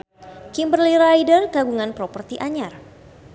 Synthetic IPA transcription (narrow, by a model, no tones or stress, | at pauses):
kimbərliɾajdərkaɡuŋanpɾɔpərt̪iʔaɲar